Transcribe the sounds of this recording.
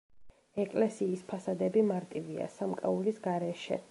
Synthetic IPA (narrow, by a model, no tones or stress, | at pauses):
ɛkʼlɛsiːspʰasad̪ɛbimaɾt̪ʼivia̰samkʼaulisɡaɾɛʃɛ̰